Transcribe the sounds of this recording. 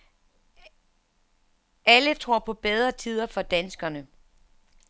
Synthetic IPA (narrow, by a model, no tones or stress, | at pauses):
ælət͡sʰʁo̝ɐ̰pʰɒ̽b̥eð̞ˠʁɐt͡sʰiːð̞ˠɐfɒ̽d̥ænsɡ̥ɐnə